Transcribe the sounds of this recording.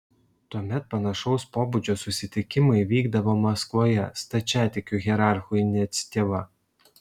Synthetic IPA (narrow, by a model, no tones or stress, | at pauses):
t̪uɔmʲɛt̪̚pɐnɐʃɒʊspoːbʊd͡ʒʲoːsʊsʲɪt̪ʲɪkʲɪmɐɪʋʲiːɡd̪ɐʋoːmɐskʋoːjɛst̪ɐt͡ʃʲæːt̪ʲɪkʲuˑɣʲɛɾɑˑɾxuɪnʲt̪sʲt̪ʲeːʋɐ